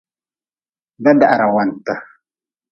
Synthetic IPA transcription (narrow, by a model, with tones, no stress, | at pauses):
da˦da˨ʔa˨ɾa˨wa˨ntə˨